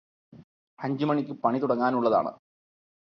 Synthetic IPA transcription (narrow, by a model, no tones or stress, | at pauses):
hɐɲd͡ʑumɐɳikʲːɨpɐɳit̪uɽɐŋːaːnuɭːɐða̰ːɳɨ̰